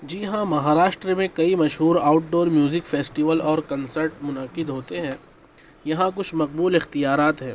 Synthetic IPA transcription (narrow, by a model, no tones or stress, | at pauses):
d͡ʒiːɦãmɐɦaːɾaːʃʈɾemẽkɐimɐʃɦuːɾaːʊʈ̚ɖoːɾmjuːzɪkfeːsʈiːʋəlɔːɾkɐ̃nsəɾʈmʊnɐqɪd̪ɦoːt̪eɦɛ̃ː | jɐɦãkʊt͡ʃʰmɐq̚buːlɪxt̪ijaːɾaːt̪ɦɛ̃ː